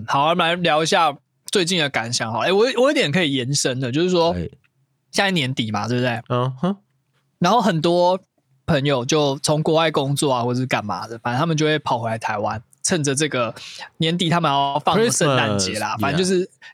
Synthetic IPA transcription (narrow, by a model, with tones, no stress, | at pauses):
hɑ˨˦ʊ˥˩la˧˦ɪljɑ˧˥ʊi˧˥ɕ̬ja˥˧ | t͡swe˥˧ɪt͡ɕi˥˩nd̪ə˨˩ka˨˥nɕjɑ˨˩ŋxɑ˨˦e˥˩wɔ˨˧wɔ˨˩jo˧˥t̪jɛ˨˩nkʰɤ˧˥i˨˩jɛ˧˦nʂə˦ŋd̪ə˨t͡ɕjo˥˧ʊʂɻ̩˥˩ʂwɔ˥ | ɕja˥˧i˥˩njɛ˧˦˥nt̪i˨˦ma̰˨˩t̪we˥˩bə˩t̪e˥˩ɪ | na˧˦nxo˥˩ʊxə˨˩nt̪̬wɔ˥ | pʰə˧˦˥ŋjo˨ʊt͡ɕjo˥˩ʊt͡sʰo˧˦ŋkwɔ˧˦wa˥˩ɪkʊ˦˥ŋt͡swɔ˥˩a˨xwɔ˥˩ə˨˩ʂɻ̩˥ka˨˩nma̰˨˥lə˦fa˨˦ə˦nt̪ʰa˥mə˨t͡ɕjo˥˧xwe˥˩ɪpʰɑ˨˩ʊxwe˧˥la˧˥ɪt̪ʰa˧˥ɪwa˦n | t͡sʰə˥˩nd͡zə˨ʈ͡ʂɤ˥˩ɡə˩njɛ˧˦nt̪̬i˨t̪ʰa˥mə˨nja˧˥˧fɑ˥˨ŋə˦sə˥˧nt̪a˧˥nt͡ɕjɛ˧˦la̰˨fa˨n˥˨t͡ɕjo˥˧ʊʂɻ̩˥˩